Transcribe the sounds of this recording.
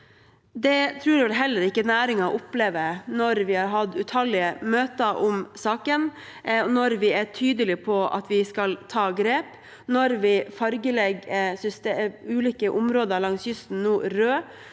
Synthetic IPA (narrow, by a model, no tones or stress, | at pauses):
d̪ɛt̪ʰɾʉːɾʋɛlɦɛlːəɾɪkːənæːɾɪŋɑʔʊpleːʋənɔɾʋɪhɑːɾɦɑd̪ʉt̪ʰhɑlɪəmøːt̪əʔɔmsɑːkən | nɔɾʋɪæʈʰyːd̪əlɪpʰɔʔɑ̰t̪ʋɪskɑlt̪ʰɑːɡɾeːp | nɔɾʋɪfɑɾɡəlɛɡsʏst̪ːʉːliːkəʔʊmɾoːd̪əɾlɑŋsjʏst̪n̩nuːɾøː